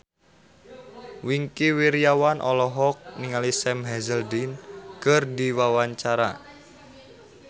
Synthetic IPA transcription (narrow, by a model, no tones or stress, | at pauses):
wiŋkiwiɾijawanʔɔlɔɦɔk̚niŋalisɛmɦɛzəldinkərdiwawaɲt͡ʃaɾa̰